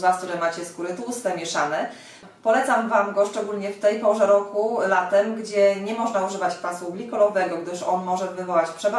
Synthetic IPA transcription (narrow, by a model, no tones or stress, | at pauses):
vakt̪uɾɛmat͡ɕɛskuɾɘt̪usfɛmʲjɛʂanɛ | pɔlɛt̪samvamɡɔʂt͡ʂɛɡulɲɛft̪ɛjpɔʐɛɾɔkulat̪ɛmɡd͡ʑɛɲɛmɔʐnauʐɘvat͡ɕpasublʲikɔlɔvɛɡɔɡd̪ɘʂɔnmɔʐɛvɘvɔwat͡ɕpʂɛba